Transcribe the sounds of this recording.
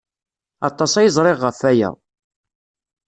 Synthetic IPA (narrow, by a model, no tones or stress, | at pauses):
ɑt̪ˤːɑsæjəzˤɾˤɪʁːəfæjæ̰